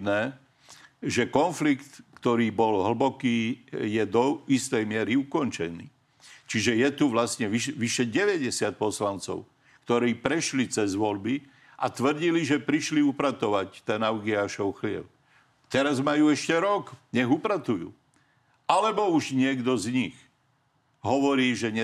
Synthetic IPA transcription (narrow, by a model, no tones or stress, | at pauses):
nɛː | ʒɛkɔnflikt̪kt̪ɔɾiːbɔlɦl̩bɔkiːjɛd̪ɔist̪ɛjmɪɛɾiukɔnt͡ʃɛnḭː | t͡ʃiʒɛjɛt̪uʋlasɲɛʋiʃʋiʃɛɟɛʋɛɟɛsɪat̪̚pɔslant͡sɔ̰ʊ | kt̪ɔɾiːpɾɛʃlit͡sɛzʋɔlbi | ʔat̪ʋr̩ɟiliʒɛpɾiʃliupɾat̪ɔʋact̪ɛnaʊɡiaːʃɔʊxlɪɛ̰ʊ | t̪ɛɾazmajuːɛʃcɛɾɔkɲɛɣupɾat̪ujṵː | ʔalɛbɔuʒɲɪɛɡd̪ɔzɲix | ɦɔʋɔɾiːʒɛɲɛ